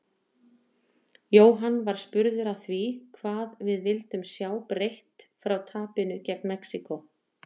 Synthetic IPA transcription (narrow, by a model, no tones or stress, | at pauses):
joːwɦanvaɾ̥spʏɾðʏɾaθvikʰvaːðvɪðvɪlt̪ʏmsjaːwpɾejht̪fɾawt̪ʰaːpɪnʏcɛknmɛksikɔ